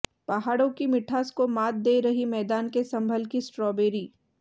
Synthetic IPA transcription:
pɐɦaːɽõkimɪʈʰaːskomaːt̪̚d̪eːɾɐɦimɛːd̪aːnkesɐ̃mbʱəlkisʈɾɔːbeːɾiː

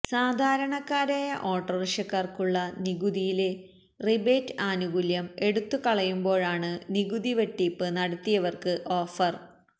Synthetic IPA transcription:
saːd̪ʱaːɾɐɳɐkːaːɾaːjɐʔo̞ːʈːɐriʂɐkːɐrkuɭːɐniɡud̪ijile̞ | ribeːtːaːnuɡuljɐme̞ɽut̪ːukɐɭɐjumbo̞ːɻaːɳɨniɡud̪iʋeʈːiːpːɨnɐɽɐt̪ːijɐʋɐrkɨʔo̞ːfɐr

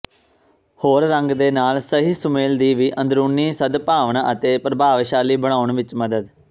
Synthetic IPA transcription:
hoːɾːəŋɡd̪eːnaːlsəɦiːsʊmeːld̪iːʋiːʔə̃nd̪ɾuːniːsəd̪paːʋəɳaːʔət̪eːpɾəbʱaːʋʃaːliːbəɽ̃aːʊɳʋɪt͡ʃməd̪əd̪

